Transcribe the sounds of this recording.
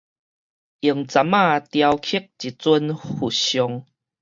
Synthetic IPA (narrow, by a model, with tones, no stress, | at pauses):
i˨˩əŋt͡sa˨˦mã˥˧˨t̪ja˧wkʰi˦k̚t͡ɕi˨˩t͡su˦nhu˨˩ɕjɔ˧ŋ